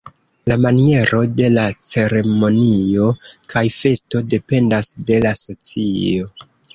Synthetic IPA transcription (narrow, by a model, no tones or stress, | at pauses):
lamanie̞ɾo̞de̞lat͡se̞ɾe̞mo̞nio̞kajfe̞sto̞de̞pe̞ndasde̞laso̞t͡sio̞